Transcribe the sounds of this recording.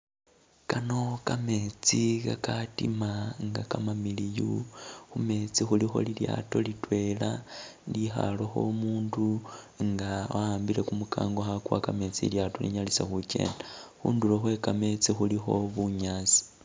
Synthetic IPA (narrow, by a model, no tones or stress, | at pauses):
kano̞kame̞t͡sikakatimaŋɡakamamilijuxume̞t͡sixulixo̞̰lilja̰to̞litwe̞lalixa̰lo̞xo̞̰muːndu | ŋɡawaaːmbile̞kumukʰa̰ːŋɡoxakuakame̞t͡siljato̰lḭɲalisaxuce̞̰ːndaxuːnduloxwe̞kame̞t͡sixulixo̞βuɲaːt͡si̥